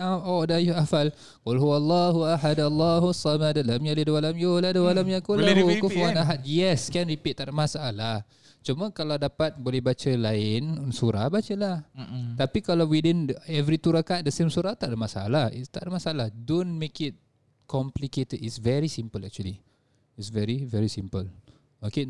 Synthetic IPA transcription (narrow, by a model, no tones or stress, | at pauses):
aɔdajoafal | walɦuwalːɑɦuaɦadalːɑɦusːamadalamjalidəwalamjoladəwalamjakulaɦukofuanaɦat̪̚jɛskɛnɾipit̪ːaʔdəmasaʔalah | t͡ʃuməkaladapat̪̚bolɛhbat͡ʃəlaɪnnsuɾahbat͡ʃəlaht̪apikalawidɪnɛvɾit̪uɾakat̪̚dəsemsuɾaht̪aʔdəmasaa̰lahḭst̪aʔdəmasaalahdonmekɪt̪̚ | kɔmpliket̪ədisvɛɾisimpəla̰k̚t͡ʃuəli | isvɛɾivɛɾisimpəl | oke